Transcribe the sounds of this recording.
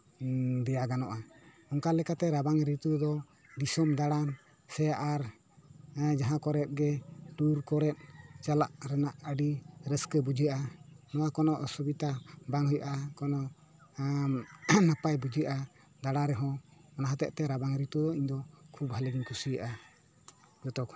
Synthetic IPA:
d̪ɛjaɡanɔʔa | ɔŋkalɛkat̪ɛɾabaŋɾit̪ud̪ɔ | d̪isɔmd̪aɽan | sɛaʔaɾ | d͡ʒaɦãkɔɾɛt̪̚ɡɛʈuɾkɔɾɛt̪̚t͡ʃalaʔɾɛnaʔəɖiɾəskəbud͡ʒiaʔanɔwakɔnɔʔsubit̪abaŋɦujaʔakɔnɔʔ | napajbud͡ʒijaʔa | d̪aɽaɾɛɦɔ̃ɔnaɦat̪ɛʔt̪ɛɾabaŋɾit̪ud̪ɔiɲd̪ɔkʰubɦalɛɡiɲkʰusijaʔa | ɡɔt̪ɔk

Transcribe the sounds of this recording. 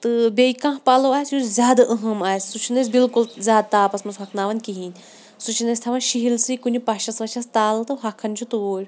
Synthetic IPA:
t̪ɨbʲeikãːɦpaːloaːsjuzʲjaːd̪ɐʔɐɦɐmaːjsʲsut͡ʃʰinɐs̬ʲbilkulzʲaːd̪̚t̪aːpɐsmɐnsɦɐkʰnaːʋɐnʲkiɦiːnʲ | sut͡ʃʰinɐsʲt̪ʰɐʋɐnʃiɦilsiːkunʲipɐʃɐsʋɐt͡ʃʰɐst̪aːlɐt̪ɨɦɐkʰːɐnʲt͡ʃʰut̪uoːɾʲ

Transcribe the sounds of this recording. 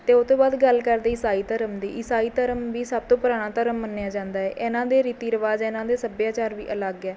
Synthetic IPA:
t̪eːot̪õːbaːd̪ɡəlkəɾd̪eːɪsaːiːt̪əɾəmd̪eːʔɪsaːiːt̪əɾəmʋiːsəb̚t̪õːpʊɾaːñãːt̪əɾəmːənːejaːd͡ʒãːnd̪aːɛːʔɛːnãːd̪eːɾiːt̪iːɾəʋaːd͡ʒɛːnãːd̪eːsəbjaːt͡ʃaːɾʋḭːʔələɡɛː

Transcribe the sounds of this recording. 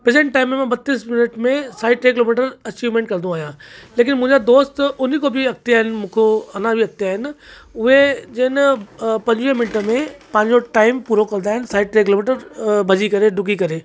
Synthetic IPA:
pɾeːzẽɳʈʈaːɪmːẽmãbɐt̪ːiːsmɪnəʈmẽsaːɪʈɾeːk̬ɪloːmiːʈəɾɐt͡ɕiːʋmẽːɳʈ̚kɐɾ̃d̪ũaːjaleːk̬ɪnmʊ̃ɦɪ̃ɲd͡ʑad̪oːst̪ʊnikobʱiɐk̚t̪ijaːɦɪnɪmũːkʰoɐnabʱiɐk̚t̪ijaːɦɪnɪ̆ʊɦed͡ʑɪnpɐ̃ɲd͡ʑʋimɪnʈəmẽpɐ̃ɦɪ̃ɲd͡ʑoʈaːɪmpuːɾokɐɾnd̪aːɦɪnɪsaːɪʈɾeːkɪloːmiːʈəɾbʱɐd͡ʑikɐɾeɖʊk̬ikɐɾeː

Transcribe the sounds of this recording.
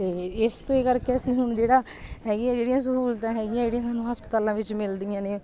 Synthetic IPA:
t̪eːɪst̪eːkəɾkɛːsiːɦʊɳd͡ʒeːɽaː | ɦɛːɡɪjãːd͡ʒeːɽɪjãːs̬əkuːlt̪ãːɦɛːɡɪjãːd͡ʒeːɽijãːsaːnːũːɦəspət̪aːlãːʋɪt͡ʃmɪld̪ɪjãːneː

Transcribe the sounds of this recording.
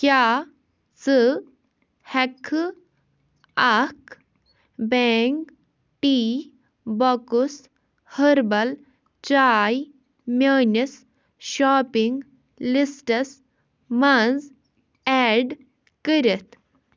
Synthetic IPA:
kjaː | sɨ | hɐkʰ | ak | beŋk | ʈiː | bɔkus | həɾbɐl | t͡ʃaːj | mʲɐːnis | ʃaːpiŋɡ | lisʈɐs | mɐnz | ɛːɖ | kəɾit̪ʰ

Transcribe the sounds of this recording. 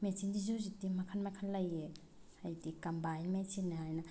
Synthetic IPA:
mesindizozitimɐkʰɐnmɐkʰɐlːɐjːe | ajdikɐmbajmesinːɐɦajnɐ

